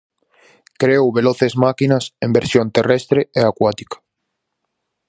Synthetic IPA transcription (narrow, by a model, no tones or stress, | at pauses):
kɾewβeloθezmakinasẽmbeɾsjont̪erest̪ɾeeakwat̪i̥kḁ